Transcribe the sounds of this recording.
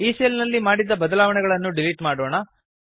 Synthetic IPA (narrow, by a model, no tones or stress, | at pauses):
iːseːlnɐlːimaːɽid̪ːɐbɐd̪ɐlaːʋɐɳɛɡɐɭɐnːuɖiliʈmaːɽoːɳɐ